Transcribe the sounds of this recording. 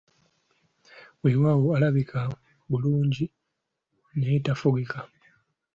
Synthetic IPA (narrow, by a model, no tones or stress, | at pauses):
wewaːwualaβikʰa | βuluːɲɟi | neitafuɣika